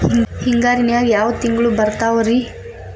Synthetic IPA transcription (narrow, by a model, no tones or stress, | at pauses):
hiŋɡaːɾinjaːɡjaːʋɐt̪iŋɡɐɭubɐɾt̪aːʋɐɾi